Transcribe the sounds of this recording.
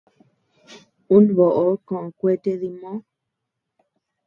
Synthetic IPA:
u˦nβo˨ʔo˨˦kõ˨ʔõ˨kʷe˦t̪e˦ði˧mõ˦

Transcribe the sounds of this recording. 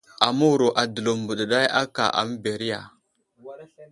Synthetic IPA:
a˨mu˦wu˨ɾo˨ʔa˨də˨lo˨m˨bu˨ɗə˨ɗa˦ja˦ka̰˨ʔa̰˨m˦be˨ɾi˦ja̰˨

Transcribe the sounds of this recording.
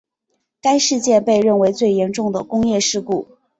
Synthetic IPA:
ka˥ɪʂɻ̩˥˧t͡ɕjɛ˥˧pe˥˧ɪɻə˥˩nwe˧˥ɪt͡swe˥˩ɪjɛ˧˥nʈ͡ʂʊ˥˩ŋd̪ə˩kʊ˥ŋjɛ˥˧ʂɻ̩˥˧ku˥˩

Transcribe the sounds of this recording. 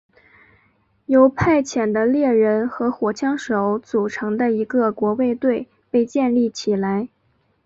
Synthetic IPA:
jo˧˥ʊpʰa˥˩ɪt͡ɕʰjɛ˨˩nd̪ə˦ljɛ˥˩ɻə˧˥nxɤ˧˥xwɔ˨˩t͡ɕʰjɑ˥ŋʂo˨˧˥ʊt͡su˨˩ʈ͡ʂʰɤ˧˥ŋd̪ə˧i˧˥ɡə˧kwɔ˧˥we˥˧ɪt̪we˥˧ɪ | pe˥˧ɪt͡ɕjɛ˥˧nli˥˩t͡ɕʰi˨˩la˧˥ɪ

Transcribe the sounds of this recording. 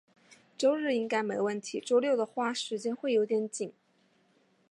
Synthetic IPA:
ʈ͡ʂo˥ʊɻɻ̩˥˩i˥ŋka˥ɪme˧˥ɪwə˥˩nt̪ʰi˧˥ʈ͡ʂo˥ʊljo˥˩ʊd̪ə˩xwa˥˩ʂɻ̩˧˥t͡ɕjɛ˥nxwe˥˩ɪjo˧˥t̪jɛ˧˥nt͡ɕi˨˩˦ŋ

